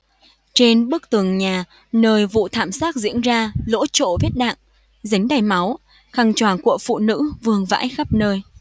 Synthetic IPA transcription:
t͡ɕe˧nɓɨ˦˥ək̚t̪ɨ˨˩əŋɲaː˨˩ | nəː˧jvṵ˧˨t̪ʰaː˧˩msaː˦˥k̚zḭ˧˥ənzaː˧lo̰˧˥t͡ɕo̰˧˨vi˦˥ət̚ɗa̰ː˧˨ŋ | za˨˦ŋ̟ɗaː˨˩jma˨˦w | xa˨˩ŋt͡ɕwaː˨˩nku˧˩əfṵ˧˨nɨ̰˧˥vɨ˨˩əŋva̰ː˧˥jxa˦˥p̚nəː˧j

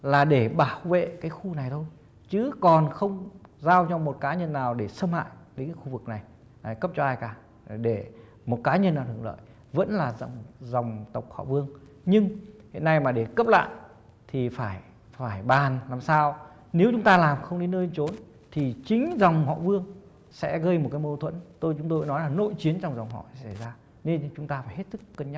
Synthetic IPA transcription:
laː˨˩ɗe˧˩ɓaː˧˩wvḛ˧˨kaː˨˦jxu˧na˨˩jɗo˧j | t͡ɕɨ˨˦kɔ˨˩nxə˧wŋ͡mzaː˧wt͡ɕɔ˧mo˨˩t̚kaː˨˦ɲə˧nːaː˨˩wɗe˧˩sə˧mha̰ː˧˨jɗe˨˦ŋkxu˧˩vɨ˨˩k̚na˨˩j | a˨˩kə˦˥p̚t͡ɕɔ˧ʔaː˧jkaː˧˩˨ | ɗe˧˩ | mo˨˩t̚kaː˨˦ɲə˧nːaː˨˩wt̪ɨ˨˧˩əŋlə̰ː˧˨j | və̰˧˥nlaː˨˩z̰ŋ͡mzɔ˨˩wŋ͡mt̪ə˨˩wk͡p̚hɔ̰˧˨vɨ˧əŋ | ɲɨ˧ŋhḭ˧˨ənːa˧jmaː˨˩ɗe˧˩kə˦˥p̚la̰ː˧˨j | t̪ʰi˨˩faː˧˩j | faː˧˩jɓaː˨˩nlaː˨˩msaː˧w | ne˨˦wt͡ɕʊ˨˦ŋ͡mt̪aː˧laː˨˩mxə˧wŋ͡mɗi˨˦nəː˧t͡ɕo˨˦n | t̪ʰi˨˩t͡ɕï˨˦ŋ̟za˨˩wŋ͡mhɔ̰˧˨vɨ˧əŋ | sɛ̰˧˥ɣə˧jmo˨˩kaː˨˦jmo˧t̪ʰwə̰˧˥nt̪o˧jt͡ɕʊ˨˦ŋ͡mt̪o˧˨˦nɔ˨˦jlaː˨˩no̰˧˨jt͡ɕi˨˦ənt͡ɕɔ˧wŋ͡mza˨˩wŋ͡mɦɔ̰˧˨˧sa˧˩jzaː˧ | ne˧nt͡ɕʊ˨˦ŋ͡mt̪aː˧faː˧˩jhe˦˥t̚sɨ˦˥kːə˧nɲa˦

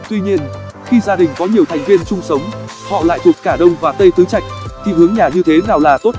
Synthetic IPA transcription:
t̪wi˧ɲi˧ənxi˧zaː˧ɗï˨˩ŋ̟kɔ˨˦ɲi˨˩əwt̪ʰa˨˩jŋ̟vi˧ənt͡ɕʊ˧ŋ͡msə˨˦wŋ͡m | hɔ̰˧˨la̰ː˧˨jt̪ʰu˨˩ət̚kaː˧˩ɗə˧wŋ͡mvaː˨˩t̪ə˧jt̪ʰɨ˨˦t͡ɕa̰˧˨jk̟̚t̪ʰi˨˩hɨ˨˦əŋɲaː˨˩ɲɨ˧t̪ʰe˨˦naː˨˩wlaː˨˩t̪o˦˥t̚

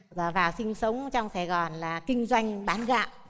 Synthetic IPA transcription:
aː˧˩vaː˨˩wsï˧ŋ̟sə˨˦wŋ͡mt͡ɕɔ˧wŋ͡msa˧˩jɣɔ˨˩nlaː˨˩kï˧ŋ̟zwa˧jŋ̟ɓaː˨˦nɣa̰ː˧˨ʔ

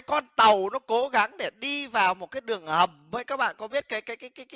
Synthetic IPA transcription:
jkɔ˧nt̪ə˨˩wnɔ˨˦ko˨˦ɣa˨˦ŋɗe˧˩ɗi˧vaː˨˩wmo˨˩t̚kaː˨˦jɗɨ˨˩əŋhə˨˩mvəː˨˦jkaː˦˥k̚ɓa̰ː˧˨nkɔ˨˦ɓi˦˥ət̚kaː˨˦jkaː˨˦jkaː˨˦jkaː˨˦j

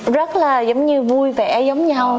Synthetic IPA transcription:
zə˦˥t̚laː˨˩zə˨˦wŋ͡mɲɨ˧vu˧jvɛ˨˩˦zə˨˦wŋ͡mɲa˧w

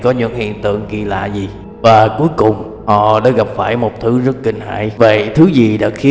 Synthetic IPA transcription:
kɔ˨˦ɲɨ̰˧˥ŋhḭ˧˨ənt̪ɨ̰˧˨əŋkḭ˧˨la̰ː˧˨zi˨˩ | vaː˨˩ku˨˦əjkʊ˨˩ŋ͡m | ʔɔ˨˩ɗa̰ː˧˥ɣə˨˩p̚faː˧˩jmo˨˩t̚t̪ʰɨ˨˦zə˦˥t̚kï˨˩ŋ̟ha̰ː˧˨jvə̰˧˨jt̪ʰɨ˨˦zi˨˩ɗa̰ː˧˥xi˨˦

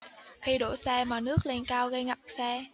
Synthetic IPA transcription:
xi˧ɗo˧˩sɛ˧maː˨˩nɨ˦˥ək̚le˧nkaː˧wɣə˧jŋa˨˩p̚sɛː˧

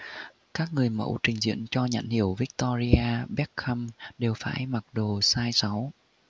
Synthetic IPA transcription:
kaː˦˥k̚ŋɨ˨˩əjmə̰˧˥wt͡ɕï˨˩ŋ̟zḭ˧˥ənt͡ɕɔ˧ɲə̰˧˨nhi˧˩əwvi˦˥k̚t̪ɔ˧zi˧aː˧ɓɛ˦˥t̚xa˧mɗe˨˩wfaː˧˩jma˨˩t̚ɗo˨˩saː˧jsa˨˦w

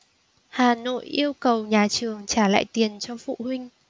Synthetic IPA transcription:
haː˨˩no̰˧˨jʔi˧əwkə˨˩wɲaː˨˩t͡ɕɨ˨˩əŋt͡ɕaː˧˩la̰ː˧˨jt̪i˨˩ənt͡ɕɔ˧fṵ˧˨hwï˧ŋ̟

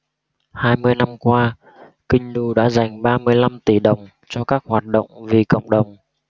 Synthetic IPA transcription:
haː˧jmɨ˧əjna˧mkwaː˧ | kï˧ŋ̟nu˧ɗa̰ː˧˥za˨˩jŋ̟ɓaː˧mɨ˧əjla˧mt̪i˧˩ɗə˨˩wŋ͡m | t͡ɕɔ˧kaː˦˥k̚hwaː˨˩t̚ɗə̰˧˨wŋ͡mvi˨˩kə̰˧˨wŋ͡mɗə˨˩wŋ͡m

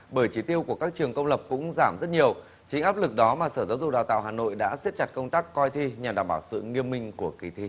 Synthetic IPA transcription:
ɓəː˧˩jt͡ɕi˨˦t̪i˧əwku˧˩əkaː˦˥k̚t͡ɕɨ˨˩əŋkə˧wŋ͡mlə˨˩p̚kʊ̰˧˥ŋ͡mzaː˧˩mzə˦˥t̚ɲi˨˩əw | t͡ɕï˨˦ŋ̟ʔaː˦˥p̚lɨ˨˩k̚ɗɔ˨˦maː˨˩səː˧˩zaː˨˦wzʊ˨˩k͡p̚a̰ː˨˩wt̪a̰ː˧˨wɦhaː˨˩no̰˧˨jɗa̰ː˧˥se˦˥t̚t͡ɕa˨˩t̚kə˧wŋ͡mt̪aː˦˥kːɔ˧jt̪ʰi˧ɲa˨˩ɗaː˧˨˩mɓaː˧˩wsɨ̰˧˨ŋi˧əmːï˧ŋ̟ku˧˩əki˨˩t̪ʰi˧

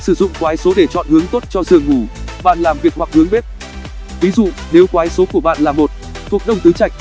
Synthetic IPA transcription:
sɨ˧˩zʊ̰˧˨ŋ͡mkwaː˨˦jso˨˦ɗe˧˩t͡ɕɔ̰˧˨nhɨ˨˦əŋt̪o˦˥t̚t͡ɕɔ˧zɨ̰˧˨əŋːu˧˩ɓa̰ː˧˨nlaː˨˩mvi˨˩ək̚hwa˨˩k̚hɨ˨˦əŋɓe˦˥t̚ | vi˨˦zṵ˧˨ | ne˨˦wkwaː˨˦jso˨˦ku˧˩əɓa̰ː˧˨nlaː˨˩mo˨˩t̚ | t̪ʰu˨˩ək̚ɗə˧wŋ͡mt̪ɨ˨˦t͡ɕa˧˩jk̟̚

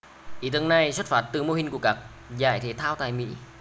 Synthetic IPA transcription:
ʔḭ˧˩˦t̪ɨ˨˧əŋna˨˩jswə˦˥t̚faː˦˥t̚t̪ɨ˨˩mo˧hï˨˩ŋ̟ku˧˩əkaː˦˥k̚ | za̰ː˧˩jt̪ʰe˨˦t̪ʰaː˧wt̪a̰ː˧˨jmḭ˧˥

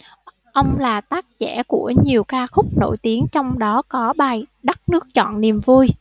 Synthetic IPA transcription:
ʔə˧wŋ͡mlaː˨˩t̪aː˦˥k̚t͡ɕɛ̰˧˩ku˧˩əɲi˨˩əwkaː˧xʊ˦˥k͡p̚no̰˧˩jt̪i˨˦ənt͡ɕɔ˧wŋ͡mɗɔ˨˦kɔ˨˦ɓaː˨˩jɗə˦˥t̚nɨ˦˥ək̚t͡ɕɔ̰˧˨nni˨˩mvu˧j

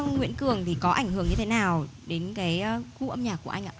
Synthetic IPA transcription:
ŋwḭ˧˨ənkɨ˨˩əŋt̪ʰi˨˩kɔ˨˦ʔa̰˧˩jŋ̟hɨ˧˩əŋɲɨ˧t̪ʰe˨˦naː˨˩wɗe˨˦nkaː˨˦jʔːku˧˦ʔə˧mɲaː˨˩k̚u˧˩əʔa˧ŋ̟ʔa̰ː˧˨

